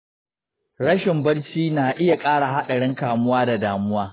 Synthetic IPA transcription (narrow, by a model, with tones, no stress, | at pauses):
ɽɐ˦ʃɪ˨mbɐ˦ɽt͡ʃiː˦naː˨ʔɪ˦ja˨kʼaː˦ɽa˨ɦa˦ɗɐ˨ɽɪ˦ŋkaː˨mʊ˦waː˦da˨daː˨mʊ˦waː˦